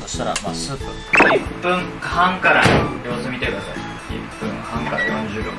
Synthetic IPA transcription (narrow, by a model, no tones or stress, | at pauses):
sost̪aɾa̰masɨpːɯ | ipːɯ̟̃ŋhãŋkaɾajoːsɨmʲit̪e̞kɯ̟d̪asai | ipːɯ̃ŋhãŋkaɾajõɲd͡ʑɨːɡõ